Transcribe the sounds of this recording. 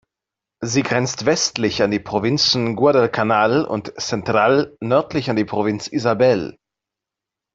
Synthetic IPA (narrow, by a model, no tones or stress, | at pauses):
ziːɡʁɛnt͡stv̥ɛstlɪçandiːpʁ̥ovɪnt͡sn̩ɡuadɛlkʰanaːlʊ̰ntt͡sɛntʁ̥aːlnœɐtʰlɪçandiːpʁ̥ovɪnt͡sizabɛl